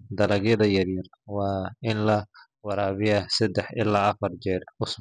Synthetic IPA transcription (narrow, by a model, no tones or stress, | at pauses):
d̪ɐlɐɣjɐðɐjɐrjɐr | wɑːɪnlɐ | wɑɾaːβɪjɐsɛd̪ɛħɪ̰laːɐfɐrd͡ʒɛːrʊsb